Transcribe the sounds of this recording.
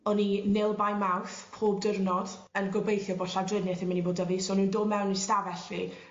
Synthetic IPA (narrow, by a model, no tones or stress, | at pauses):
ɔninɪlˠbajmawθpʰoːbdərnɔd̥ənɡɔbejθjɔboːɬadrɪnjɛθɪmaniboːdəvisoːnuːndoːmɛwnistavɛɬvḭ